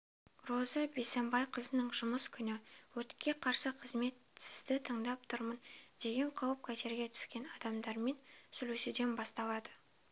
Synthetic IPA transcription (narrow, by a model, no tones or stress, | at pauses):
rozɑbe̞sembɑjqʰəzənəɴʒʊməskʲʰʏnɪwɵt̪kʲːe̞qʰɑɾsəqʰəzme̞t̪sɪzd̪ɪt̪ʰəɴd̪ɑp̚t̪ʰʊɾmənd̪̥e̞ɡʲe̞ɴqʰɑwəp̚kʲʰæt̪e̞ɾɡʲe̞t̪ʰʏ̥skʲe̞nɑd̪ɑmd̪ɑɾme̞nsɵlused̪e̞nbɑst̪ɑlˠɑd̪ə